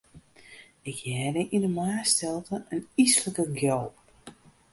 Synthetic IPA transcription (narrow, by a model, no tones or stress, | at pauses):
ɪkjɛːdəʔindəmaːstɛlˠtəʔənisləkəɡjɔlp